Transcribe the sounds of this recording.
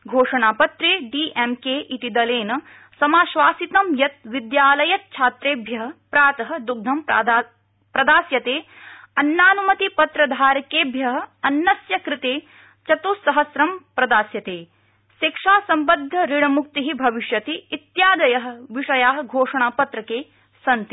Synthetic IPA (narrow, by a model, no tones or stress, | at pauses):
ɡʱoːʂɐɳaːpɐt̪ɾiɖiːʔemkeːʔit̪id̪ɐleːnɐ | sɐmaːʃʋaːsit̪ɐmjɐt̪̚ʋid̪jaːlɐjɐt̪̚t͡ʃʰaːt̪ɾeːbʱjɐɦɐ̆pɾaːt̪ɐɦɐ̆d̪uɡ̚d̪ʱɐm | pɾɐd̪aːsjɐt̪eː | ɐnːaːnumɐt̪ipɐt̪ɾɐd̪ʱaːɾɐkeːbʱjɐɦɐ̆ɐnːɐsjɐkɾɪt̪eː | t͡ʃɐt̪uːsɐɦɐsɾɐmpɾɐd̪aːsjɐt̪eː | ʃikʂaːsɐmbɐd̪ʱːɐɾiɽɐmuk̚t̪iɦibʱɐʋiʃjɐt̪iːt̪jaːd̪ɐjɐɦɐ̆ʋiʂɐjaːɦɐɡʱoːʂɐɳaːpɐt̪ɾɐkeː | sɐnt̪i